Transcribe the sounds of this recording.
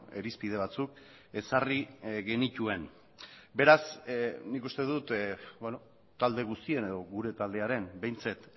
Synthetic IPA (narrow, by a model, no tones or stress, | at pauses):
e̞̰ɾispið̞e̞β̞at͡suk | e̞sariɣe̞nit̪ue̞n | be̞ɾasnikust̪e̞ðut̪beno | t̪ald̪e̞ɣ̞ust̪ie̞ne̞ð̞o̞ɣuɾe̞t̪ald̪e̞aɾe̞nbe̞jnt͡set̪